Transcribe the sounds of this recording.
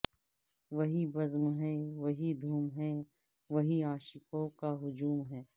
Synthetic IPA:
ʋɐɦibɐzmɦɛʋɐɦid̪ʱuːmɦɛː | ʋɐɦiaːʃɪkõkaɦʊd͡ʒuːmɦɛː

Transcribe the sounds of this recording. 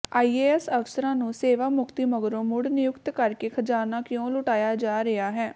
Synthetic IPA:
ʔaːiːeːɛsəʋsəɾãːnũːseːʋaːmʊkt̪iːməɡɾõːmʊɽnɪjʊkt̪kəɾkeːkʰəd͡ʒaːɾnaːkɪjõːlʊʈaːjaːd͡ʒaːɾeaːɦɛː

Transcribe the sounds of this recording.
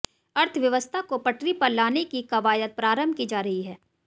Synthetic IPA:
ɐɾt̪ʰʋjɐʋəst̪ʰakopɐʈɾipɐɾlaːnekikɐʋaːjət̪̚pɾaːɾəmbʱkid͡ʒaːɾɐɦiɦɛː

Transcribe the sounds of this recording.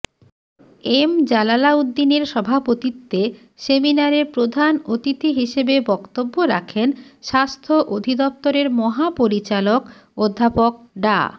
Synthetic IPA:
emd͡ʑalalaud̪ːineɾʃɔbʱapot̪it̪ːe | seminaɾeɾpɾod̪ʱanot̪it̪iɦiʃebebɔkt̪obːoɾa̰kʰenʃast̪ʰoʔod̪ʱid̪ɔp̚t̪oɾeɾmɔɦapoɾit͡ɕalok | od̪ʱːapok̚ | ɖa̰

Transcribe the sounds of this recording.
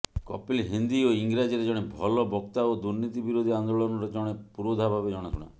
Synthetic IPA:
kɔpilɦind̪ioiŋɡɾad͡ʒiɾed͡ʒɔɽ̃ebʱɔlɔbʱɔkt̪aod̪uɾnit̪ibiɾod̪ʱiand̪oɭɔnɔɾɔd͡ʒɔɽ̃epuɾod̪ʱabʱabed͡ʒɔɽ̃ɔt̪ʰuɽ̃a̰

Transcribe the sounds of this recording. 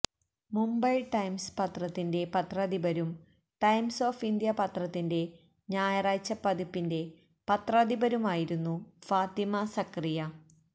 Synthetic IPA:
mumbɐjʈɐjmspɐt̪rɐt̪ːinde̞pɐt̪rɐd̪ibɐɾum | ʈɐjmso̞ːfind̪jɐpɐt̪rɐt̪ːinde̞ | ɲaːjɐraːt͡ɕːɐpːɐd̪ipːinde̞ | pɐt̪rɐd̪ibɐɾumaːjiɾunːufaːt̪imɐsɐkrijɐ

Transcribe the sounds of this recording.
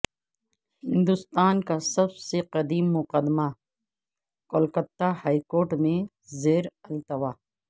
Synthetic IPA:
hɪ̃nd̪ʊst̪aːnkasɐbseqɐd̪iːmːʊqəd̪ma | koːlkət̪ːahaːikoːɾʈmẽ | zeːɾɐlt̪ɐʋaː

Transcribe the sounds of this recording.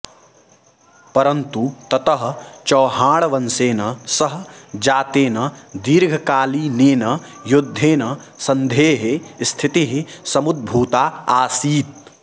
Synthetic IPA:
pɐɾɐnt̪ut̪ɐt̪ɐɦɐ̆t͡ʃɐːɦaːɭɐʋɐnseːnɐsɐɦɐd͡ʒaːt̪eːnɐd̪iːɾɡʱɐkaːliːneːnɐ | jud̪ʱːeːnɐ | sɐnd̪ʱeːɦest̪ʰit̪iɦisɐmud̪̚bʱuːt̪aːaːsiːt̪̚

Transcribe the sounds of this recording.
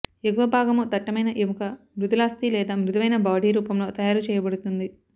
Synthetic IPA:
ekuʋɐbʱaːɡɐmut̪ɐʈːɐmɐjnɐʔeʋukɐ | mɾud̪ulaːst̪ilɛːd̪aːmɾud̪ɐʋɐjnɐbaːɖʱiːɾuːpɐmlo̞ːt̪ɐjaːɾut͡ʃɛːjɐbɐɽut̪und̪i

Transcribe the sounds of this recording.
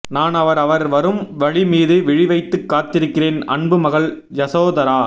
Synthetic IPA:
naːnɐʋɐɾɐʋɐɾʋɐɾɯmʋɐɻimiːðɯʋɪɻɪʋɐɪt̪ːɯkːaːt̪ɪɾɯkːɪreːnɐ̰ɳbɯmɐɣɐɭ | jɐsoːðɐɾaː

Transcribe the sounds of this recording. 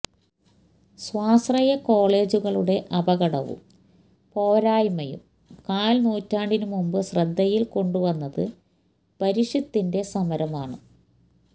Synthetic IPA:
swaːsrɐjɐko̞ːɭe̞ːd͡ʑuɣɐɭuɽe̞ʔɐbɐɣɐɽɐ̰ʋṵ | po̞ːɾaːjmɐjṵm | kaːlnuːtːaːɳɖinumumbɨsrɐd̪ʱːɐjilko̞ɳɖuʋɐnːɐðɨ | pɐɾiʂɐt̪ːinde̞sɐmɐɾɐmaːɳɨ̰

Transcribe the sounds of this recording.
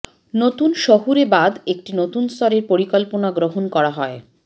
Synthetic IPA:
not̪unʃoɦuɾebad̪ek̚ʈinot̪unst̪ʰɔɾeɾpoɾikɔlponaɡɾoɦonkɔɾaɦɔe

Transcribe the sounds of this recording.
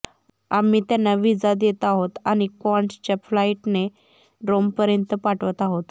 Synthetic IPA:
amiːt̪janːaʋid͡zad̪jet̪aɦot̪añikɔɳʈt͡ɕaflaiʈne | ɾompəɾjənt̪əpaʈʋət̪aɦot̪

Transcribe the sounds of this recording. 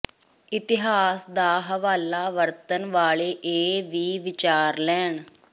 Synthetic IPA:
ɪt̪ɪɦaːsd̪aːɦəʋaːlaːʋəɾt̪ənʋaːleːʔeːʋiːʋɪt͡ʃaːɾlɛːɳ

